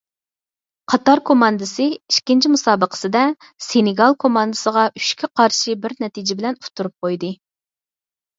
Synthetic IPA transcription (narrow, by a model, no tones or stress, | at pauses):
qʰɑt̪ɑɾkʰomɑnd̪ɨsɨiʃkʲint͡ʃʰimusɑːbəqʰə̥sɨd̪ɛ | senɪɡɑlˠkʰomɑnd̪ɨsəʁɑʔy̥ʃkʲʰiqʰɑɾʃibɪɾnɛt̪ʰid͡ʒɪbɪlɛnut̪ʰːuɾup̚qojd̪ɨ